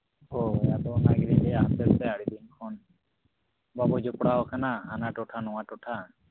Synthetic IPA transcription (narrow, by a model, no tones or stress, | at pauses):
ɦoɛjat̪ɔnaɡɾiɦɛaɦat̪ɛɾt̪ɛaɽid̪inkʰɔn | babɔd͡ʒɔpɽaɦɔkʰanaɦanaʈɔʈʰanɔwaʈɔʈʰa